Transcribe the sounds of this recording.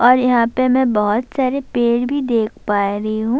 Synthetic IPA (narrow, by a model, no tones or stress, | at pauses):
ɔːɾjɐɦãːpemɛ̃bɔɦʊt̪saːɾepeːɽbʱid̪eːkʰpaːɾɐɦiɦũː